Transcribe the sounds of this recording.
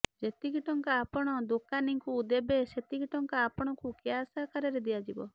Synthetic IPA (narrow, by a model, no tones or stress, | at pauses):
d͡ʒet̪ikiʈɔŋkaːpɔɽ̃ɔd̪okaniŋkuːd̪ebeset̪iɡiʈɔŋkaːpɔɽ̃ɔkukeasakaɾɔɾed̪iad͡ʒibɔ̰